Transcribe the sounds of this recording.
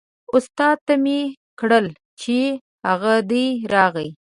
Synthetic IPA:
ʊst̪ɑd̪̚t̪ame | kɽəl | t͡ʃe | haɣad̪əjɾɑɣəj

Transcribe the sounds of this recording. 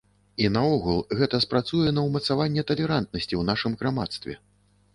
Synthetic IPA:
inɐɔɣulˠɣɛt̪ɐspɾat̪sujɛnɐwmɐt̪savanʲːɛt̪ɐlʲɛɾant̪̚nɐsʲt͡sʲiwnaʂɨmɣɾamat̪st̪vʲɛ̰

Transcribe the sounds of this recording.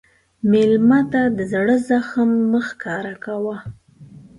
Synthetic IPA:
melmat̪ad̪əzaɽəzaxəmːəxkɑɾakawa

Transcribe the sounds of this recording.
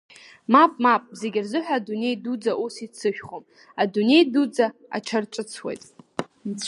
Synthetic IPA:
mapʼmapʼze̞ɡʲɪrzɨħʷᶣaːdune̞jdud͡zaʔusit͡sʰɨʃᶣχom | adune̞jdud͡zaa̰ʈ͡ʂʰarʈ͡ʂʼɨt͡sʰwḛjtʼ | nt͡sʷʰ

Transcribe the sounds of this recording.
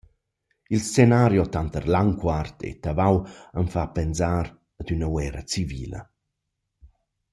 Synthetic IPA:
ilst͡senaːɾjɔt̪ant̪ərlaŋkwart̪ḛt̪avawənfapɛnzaːɾ | əd̪ynəwɛːɾət͡siviːlə̰

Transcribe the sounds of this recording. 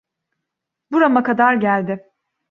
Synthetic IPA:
buɾamakʰad̪aɾɟælʲd̪ɪ

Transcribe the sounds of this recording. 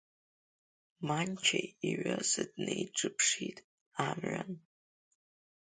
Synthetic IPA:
mant͡ʃʰajiɥasɨdnejʈ͡ʂʼɨpʰʂitʼ | amɥan

